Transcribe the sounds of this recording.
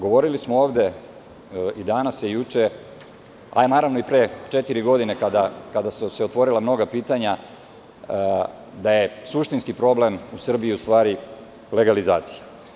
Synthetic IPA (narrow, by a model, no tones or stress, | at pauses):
ɡo̞ʋo̞ɾilismooːvd̪e̞ | id̪anasjejut͡ʂe | a̰naːɾaʋno̞ipɾet͡ʃet̪iɾiɡo̞d̪inekad̪akad̪asuseo̞t̪ʋo̞ɾilˠamno̞ɡapiːt̪aɲa | d̪aje̞suʃt̪inskipɾo̞ble̞musr̩biiust̪ʋaːɾi | le̞ɡalizaːt̪si̥ja